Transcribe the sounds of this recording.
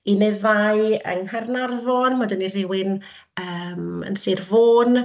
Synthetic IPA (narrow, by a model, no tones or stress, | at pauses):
ineɨðaɨə̰ŋhərnarvɔnmadənir̥ɪwɪn | əːmə̰nsɪrvoːn